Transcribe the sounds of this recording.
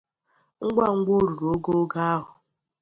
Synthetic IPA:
ŋ̩˦ɡ͡ba˦˨ŋ̩˦ɡ͡bo˦ɾu˨ɾo˦ɡo˦ɡa˦a˦ɦʊ˨

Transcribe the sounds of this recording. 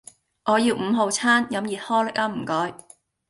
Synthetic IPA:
ʔɔː˨˧jiː˧wm̩ː˨˧ɦo˨˧wt͡sʰaː˥njɐ˨˥mjiː˨t̚hɔː˥lɪ˥k̚aː˥m̩ː˨˩kɔː˨˧˥j

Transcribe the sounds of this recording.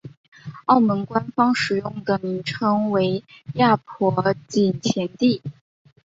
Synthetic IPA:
ɑ˥˩ʊmə˧˥nkwa˥nfɑ˥ŋʂɻ̩˨˩jʊ˥˩ŋd̪ə˩mi˧˥ŋʈ͡ʂʰɤ˧˥ŋwe˧˥ɪja˥˩pʰwɔ˧˥t͡ɕi˨˩nt͡ɕʰjɛ˧˥nt̪i˥˩

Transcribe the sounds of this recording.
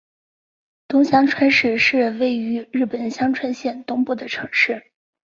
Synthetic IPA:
t̪ʊ˥ŋɕjɑ˥ŋʈ͡ʂʰwa˥nʂɻ̩˥˧ʂɻ̩˥˧we˥˩ɪy˧˥ɻɻ̩˥˩pə˨˩nɕjɑ˥ŋʈ͡ʂʰwa˥nɕjɛ˥˩nt̪ʊ˥ŋpu˥˩d̪ə˩ʈ͡ʂʰɤ˧˥ŋʂɻ̩˥˩

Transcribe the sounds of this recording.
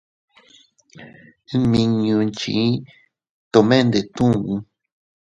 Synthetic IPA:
ɨ̃˦mĩ˧ɲũ˧nt͡ʃḭ̃˨˦ | t̪o˧˨mẽ˦˧nd̪e˨t̪ũ˦˨ũ˦

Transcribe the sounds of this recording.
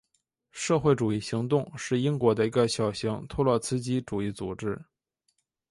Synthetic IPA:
ʂɤ˥˧xwe˥˩ɪʈ͡ʂu˨˩i˥˩ɕi˧˥ŋt̪ʊ˥˧ŋʂɻ̩˥˩i˥ŋkwɔ˧˥d̪ə˧i˧˥ɡə˧ɕjɑ˨˩ʊɕi˧˥ŋt̪ʰu˥lwɔ˥˩t͡sʰɹ̩˥t͡ɕi˥ʈ͡ʂu˨˩i˥˩t͡su˨˩ʈ͡ʂɻ̩˥

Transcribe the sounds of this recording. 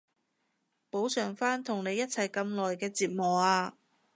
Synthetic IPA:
po˨˥wsœː˨˩ŋfaː˥nt̪ʰʊ˨˩ŋne˨˧jːɐ˥t̚t͡sʰɐ˨˩jkɐ˧mlɔː˨˩jkɛː˧t͡siː˧p̚mɔː˨aː˧

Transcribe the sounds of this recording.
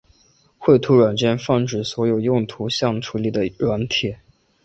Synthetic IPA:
xwe˥˩ɪt̪ʰu˧˥ɻwa˨˩nt͡ɕjɛ˥˧nfɑ˥˩ŋʈ͡ʂɻ̩˥˩swɔ˧˥jo˨˩ʊjʊ˥˩ŋt̪ʰu˧˥ɕjɑ˥˩ŋʈ͡ʂʰu˧˥li˨˩d̪ə˩ɻwa˧˥nt̪ʰjɛ˨˩˦

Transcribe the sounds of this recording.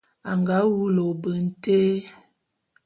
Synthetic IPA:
a˨ŋɡa˨˦wu˦lo˨bə˨n̩˦te˦

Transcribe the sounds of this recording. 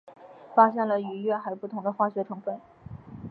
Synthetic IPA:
fa˥ɕjɛ˥˩nlə˩y˧˥ɥɛ˥˩˧xa˧˥ɪpu˥˩t̪ʰʊ˧˥ŋd̪ə˧xwa˥˩ɕɥɛ˧˥ʈ͡ʂʰɤ˧˥ŋfə˨˩˦n

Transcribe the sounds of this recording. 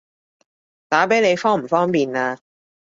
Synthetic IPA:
t̪aː˨˥pe˨˥jne˨˧jfɔː˥ŋm̩˨˩fɔː˥ŋpiː˨naː˧

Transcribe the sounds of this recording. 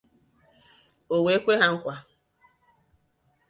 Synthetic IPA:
o˨we˨e˦kʷe˦ɦa˦ŋ̩˦kʷa˨

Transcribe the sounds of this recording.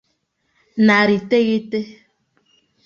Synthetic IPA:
na˨ɾi˨te˦ɣi˦te˦

